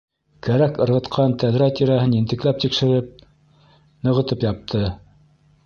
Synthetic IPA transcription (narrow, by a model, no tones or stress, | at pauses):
kæɾækɤ̆ɾʁɤ̆t̪qʰɑnt̪æðɾæt̪iɾæɦɘnjɘ̆nt̪ɘ̆klæp̚t̪ikʃɘ̆ɾɘp̚ | nɤ̆ʁɤ̆t̪ɤpjɑp̚t̪ʰɤ